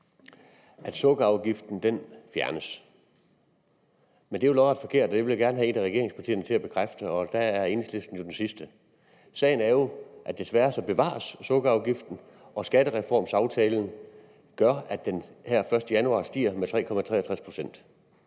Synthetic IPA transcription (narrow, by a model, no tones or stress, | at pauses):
ʔæd̥sɔɡ̥əɑ̈ʊɡ̥ifd̥n̩d̥enfjæɐnəs | mend̥e̝jolɒɑd̥fɒ̽kʰe̝ɐ̰d̥ɒd̥eʋe̝ljaɡ̥æɐnəɦæe̝næʁɛɡe̝ɐeŋspʰɑ̈t͡sʰḭːɐnət͡sʰe̝æb̥e̝̥kʰʁafd̥əɒ̽d̥æːɐe̝nslefd̥n̩jo̝d̥ensisd̥ə | sɛ̰ɪn̩æɐjo̝ʔæd̥e̝sʋæːɐsɒ̽b̥e̝ʋɑ̰̈ːsːɔ̽ɡ̥əɑ̈ʊɡ̥ifd̥n̩ | ʔɒ̽sɡ̥æɾ̥əʁɛfɒ̰ːmsɑ̈ʊt͡sʰɛːln̩ | ɡ̥ɶɐæd̥enhæɐ̰fɶɐsd̥əjænuɑ̰̈sd̥ḭːɐmet͡sʰʁɛ̰ːkʰɒ̽mæt͡sʰʁɛ̰ːæt͡sʰʁaspʰʁo̝sen̰d̥